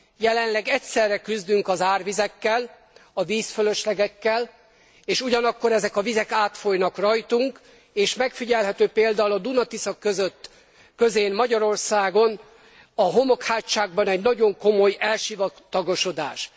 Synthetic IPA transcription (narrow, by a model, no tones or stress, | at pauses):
jɛlɛnlɛɡɛcsɛrːɛkyzd̪yŋkɒzaːrvizɛkːɛl | ɒviːsføløʃlɛɡɛkːɛl | eːʃuɟɒnɒkːo̞ɾɛzɛkɒvizɛkaːt̪fo̞jnɒkrɒjt̪uŋk | eːʃmɛkfiɟɛlɦɛt̪øːpeːld̪aːulɒd̪unɒt̪isɒkːøzøt̪ː | køzeːnmɒɟɒɾo̞rsaːɡo̞n | ɒɦo̞mo̞khaːtt͡ʃːaːɡ̚bɒnɛɟnɒɟo̞ŋko̞mo̞jɛlʃivɒt̪ːɒɡo̞ʃo̞d̪a̰ːʃ